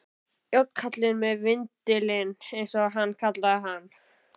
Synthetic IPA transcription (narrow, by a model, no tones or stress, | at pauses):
jowt̪kʰat̪lɪnmɛðvɪnt̪ɪlɪnejnsɔɣɦanːkʰat̪laðɪɦanː